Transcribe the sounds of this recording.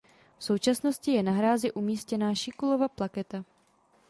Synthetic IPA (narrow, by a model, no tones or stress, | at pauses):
fso̞wt͡ʃasno̞scɪjɛnaɦɾaːzɪʔumiːscɛnaːʃɪkulovaplakɛt̪a